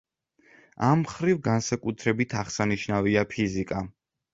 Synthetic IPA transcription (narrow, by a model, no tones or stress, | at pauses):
amχɾivɡansakʼut̪ʰɾɛbit̪ʰaʁsaniʃnaviapʰizikʼa